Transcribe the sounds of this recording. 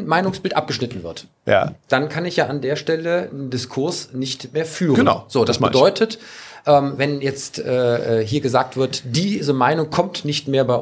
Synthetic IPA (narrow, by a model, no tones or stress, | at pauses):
nmaɪnʊŋsb̥ɪltʔa̰p̚ɡ̥əʃnɪtn̩vɪɐt | ja̰d̥ankʰanɪçjaːʔandeːɐʃtɛləɪndɪskʰʊɐsnɪçtmeːɐfyːʁɡən̰ʊz̥oːd̥asədɔʏtʰətʔɛːmvɛnjɛt͡stʔɛːɛːɦiːɐɡəzaːk̚tv̥ɪɐtd̥iːzəmaɪnʊŋkʰɔmtnɪçtmeːɐbaɪʔ